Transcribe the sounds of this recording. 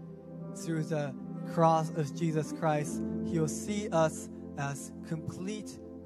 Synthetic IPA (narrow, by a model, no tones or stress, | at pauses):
θɹʉðəkʰɹ̥ɔsʌvd͡ʒizɨskʰɹ̥aɪsthiwlˠsiʔʌs | ɨz̥kʰə̃mpʰl̥it